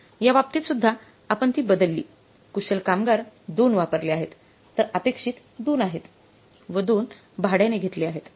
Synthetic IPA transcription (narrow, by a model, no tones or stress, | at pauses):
jaʋap̚t̪it̪sud̪ʱːa | apəɳt̪iːbəd̪əlːḭː | kuɕelkamɡaɾd̪onʋapəɾleaɦet̪ː | əɾəpekʂiːt̪ | d̪onaɦet̪ | ʋəd̪on | bʱaɽjaneɡʱet̪liaɦet̪